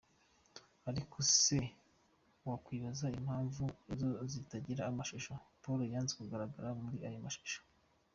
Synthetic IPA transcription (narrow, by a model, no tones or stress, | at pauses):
aɾikʰose | wakwiːβazaim̥haːɱvuezo̞zitaɟiɾaːmaʃuʃopoɾojaːnzekuɡaɾaɡaɾamuɾiajomaʃu̥ʃo̥